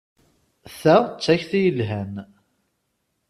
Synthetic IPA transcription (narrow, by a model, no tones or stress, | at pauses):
θæʁt͡sːæçθijəlɦæn